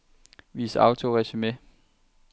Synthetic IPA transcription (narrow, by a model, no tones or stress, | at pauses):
ʋḭːsɑ̈ʊt͡sʰo̝ʁɛɕyme